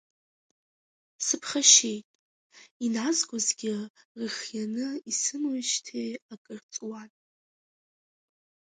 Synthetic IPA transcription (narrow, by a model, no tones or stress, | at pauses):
sɨpʰχaʃejtʼ | inazɡʷʼʊzɡʲɪ | rɨχjanɨisɨmwaʃtʰejakʼɨrt͡sʼwan